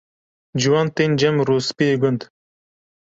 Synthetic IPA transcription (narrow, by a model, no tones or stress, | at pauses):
d͡ʒuwɑnt̪ɪnʲd͡ʒɐmɾuːspiɡʊnd̪